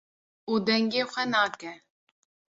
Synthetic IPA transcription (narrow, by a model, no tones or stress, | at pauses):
uːd̪ɛŋɡeːxʷɛnaːkɛ